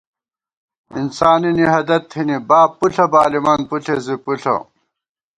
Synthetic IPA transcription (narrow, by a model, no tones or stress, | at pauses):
insaːniniɦɐd̪ɐt̪ʰinibaːpːuɬʰɐbaːlimaːnpuɬʰezipuɬʰɐ̰